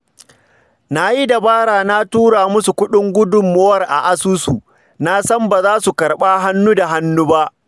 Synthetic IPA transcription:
na˦ji˦da˨baː˦ɽaː˨na˦tuː˦ɽaː˨mʊ˦su˨kʷʊ˦ɗɪ˦ŋɡʷʊ˦dʊ˨mːo˦wɐ˦rʔa̰˨ʔa˦suː˦su˨ | na˦sɐ˦mbaː˨zaː˦su˨kɐ˨ɽɓaː˦ɦa˦nːu˦da˨ɦa˦nːu˦ba˦ʔ

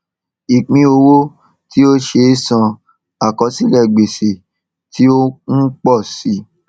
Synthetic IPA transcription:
i˨k͡pĩ˧˦o˧wo˦ | ti˦o˦ʃe˧˦sã˧ | a˨kɔ˨˦sĩ˦lɛ˦˨ɡ͡be˨se˨ | ti˦o˦n̩˦k͡pɔ˦˨si˨˦

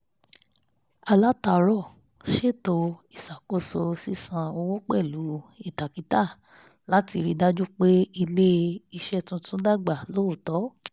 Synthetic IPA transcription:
a˧la˦ta˨˦ɾɔ˦˨ | ʃe˦˨to˧i˦˨sa˨ko˦˨so˧si˦sã˧o˧wõ˦k͡pɛ˦˨lu˨˦i˦˨ta˨ki˨˦ta˦˨ | la˨˦ti˧ɾi˧da˦d͡ʒu˦k͡pe˦i˧le˦i˧ʃɛ˦tũ˦tũ˦da˦˨ɡ͡ba˦˨lo˦o˨tɔ˨˦

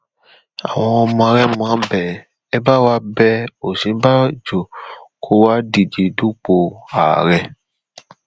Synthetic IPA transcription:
a̰˨w̃ɔ̃˧ɔ˧mɔ̃˧a˧ɾɛ˦mũ˧ã˦bɛ˨ | ɛ˦ba˦wa˦bɛ˦o˨sĩ˨˦ba˦d͡ʒo˨kʰo˦wa˦di˨d͡ʒe˨du˦k͡po˧a̰˨ɾɛ˧˦

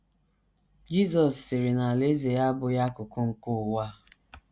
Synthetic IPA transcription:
d͡ʒi˦zɔ˨sːɪ˨ɾɪ˨na˨le˦ze˨ja˦bʊ˨ja˦kʊ˨kʊ˦ŋ̩˨kʊ˦˨wa˦

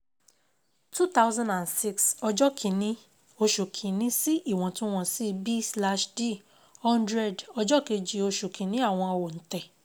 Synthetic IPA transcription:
tu˦t̪a˦wzã˦ndã˨nsi˦ksɔ˧d͡ʒɔ˦kʰĩ˨nĩ˦ | o˧ʃu˨kʰĩ˨nĩ˦si˦ʔi˦˨w̃ɔ̃˧tũ˦w̃ɔ̃˧si˦˧bi˦sla˧ʃde˦˨ | hɔ̃˦ndɾɛ˦˨dɔ˧d͡ʒɔ˦ke˧d͡ʒi˧o˧ʃu˨kʰĩ˨nĩ˨˦a˦˨w̃ɔ̃˧o˧wo˨n̩˨˦tɛ˨

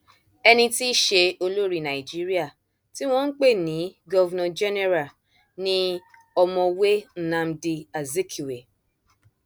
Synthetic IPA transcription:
ɛ˧nĩ˧ti˦ʃe˧o˧lo˦ɾi˦nã˨i˨d͡ʒi˦ɾi˦a˦˨ | ti˦w̃ɔ̃˦ŋ̩˦k͡pe˦˨nĩ˨˦ɡɔ˦vɛ˦nã˨d͡ʒɛ˦ne˦ɾa˨ | nĩ˦ | ɔ˧mɔ̃˧we˦n̩˦˨nã˧m̩˦di˧a˨ze˦kʰi˨we˨

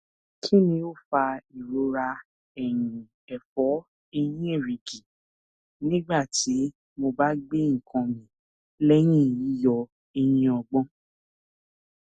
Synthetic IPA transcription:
kʰi˦nĩ˧o˦˨fa˧i˨ɾo˨˦ɾa˧ | ɛ˦˨jũ˨ | ɛ˨fɔ˨˦ | e˧jĩ˦e˦˨ɾi˨ɡi˨ | nĩ˦ɡ͡ba˦˨tʰi˨˦ | mo˧ba˦ɡ͡be˦ŋ̩˦˨kʰã˧mĩ˨ | lɛ˦j̃ĩ˦˨ji˨˦jɔ˧ | e˧jĩ˧ɔ˧ɡ͡bɔ̃˦

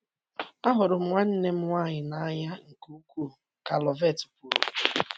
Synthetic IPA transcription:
a˦ɦʊ˨ɾʊ˨m̩˦ŋʷa˦n̩˦ne˦m̩˦ŋʷaː˦˨ɲɪ˨na˦ɲa˦ŋ̩˨ku˦u˦kʷu˦˨ | ka˨lɔ˨ve˦˨tpu˨ɾ

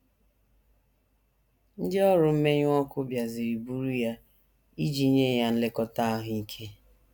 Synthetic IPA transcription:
n̩˦dɪ˦ɔ˦ɾʊ˨m̩˦me˦ɲʊ˦ɔ˦kʊ˦bja˨zi˨ɾi˨bu˦ɾu˦ja˦ | i˦d͡ʒi˦ɲe˦˨ja˦n̩˦le˦kɔ˦ta˦a˦ɦʊ˦i˦kʰe˦

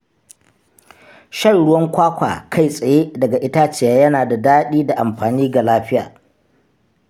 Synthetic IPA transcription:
ʃɐ˦˨ɽʊ˦wɐ˦ŋkʷaː˦kʷa̰ː˨kʰa˦˨jsʼɐ˨jeː˦dɐ˨ɡa˨ʔɪ˦ta˦t͡ʃeː˨jaː˦jɐ˦naː˨da˨daː˦ɗiː˦da˨ʔa˨mɸaː˨niː˦ɡa˨laː˦ɸɪ˦ja̰ː˨

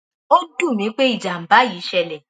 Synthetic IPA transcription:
o˦du˦˨mĩ˨˦k͡pe˦i˦˨d͡ʒa˨m̩˨ba˨˦jiː˨˦ʃɛ˧˨lɛ˨

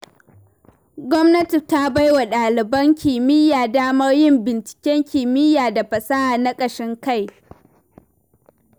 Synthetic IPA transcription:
ɡʷɔ˦mnɐ˦ti˨ta˦ba˦jwa˨ɗaː˨lɪ˨bɐ˦ŋkʲi˨mɪ˦jaː˨daː˦mɐ˦rjɪ˦mbɪ˨nt͡ʃɪ̥˨kʲɛ˦ŋkʲɪː˨mɪ˦jaː˨da˨ɸɐ˨sa˦ha˨na˦kʼɐ˨ʃɪ˦ŋka˦˨j

